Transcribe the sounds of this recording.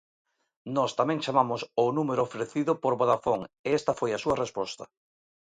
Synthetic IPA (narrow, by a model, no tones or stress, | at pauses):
nɔst̪amɛ̃ŋt͡ʃamamʊsonumeɾʊːfɾeθiðʊpoɾβoðafoŋeɛst̪ɐfojasuɐrespɔst̪ɐ